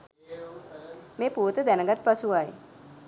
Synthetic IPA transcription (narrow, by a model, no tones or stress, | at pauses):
meːpuːt̪əd̪ænəɡat̪̚pasuaj